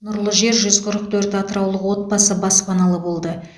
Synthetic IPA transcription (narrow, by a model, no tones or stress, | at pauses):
nʊɾlˠəʒe̞ɾʒʏzqʰʊɾəq̚t̪ʰɵɾt̪ɑt̪əɾɑwlˠəqwo̞t̪̚bɑsəbɑspɑnɑlˠəbo̞lˠd̪ə